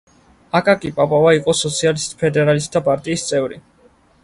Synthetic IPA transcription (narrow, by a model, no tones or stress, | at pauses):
akʼakʼipʼapʼavaiqʼɔsɔt̪sʰialist̪ʼpʰɛd̪ɛɾalist̪t̪ʰapʼaɾt̪ʼiːst̪sʼɛvɾḭ